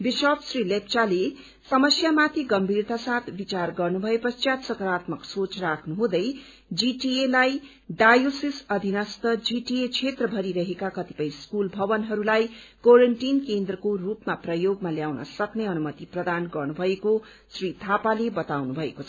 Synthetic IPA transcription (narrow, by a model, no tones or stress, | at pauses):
bisʌpsrilep̚t͡sale | sʌmʌsjamat̪ʰiɡʌmbʱirt̪asat̪ʰbit͡sarɡʌrnubʱʌepʌsjat̪sʌkʌɾat̪mʌksot͡srakʰnuɦũd̪ʌj | d͡ziʈielaj | ɖajosisʌd̪ʱinʌst̪ʌd͡ziʈiet͡sʰet̪rʌbʱʌɾiɾʌɦekakʌt̪ipʌj̃skulbʱʌbʌnɦʌɾulajkoɾeɳʈinkend̪rʌkorupmaprʌjoɡmaljawnʌ̰sʌkneʌnumʌt̪iprʌd̪ʱanɡʌrnubʱʌeko | srit̪ʰapalebʌt̪awnubʱʌḛkot͡sʰʌ